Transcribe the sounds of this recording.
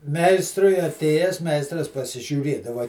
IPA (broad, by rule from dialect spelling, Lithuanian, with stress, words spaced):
ˈmʲɛɪstrʊɪ ɐˈtʲeːjæːs ˈmʲɛɪstrɐs pɐsʲɪʒʲuːˈrʲeːdɐʋɐ